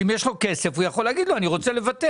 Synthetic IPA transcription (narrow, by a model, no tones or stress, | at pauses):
imjeʃloke̞se̞fujaχo̞leaɡid̪loaniʁo̞t͡sele̞vat̪e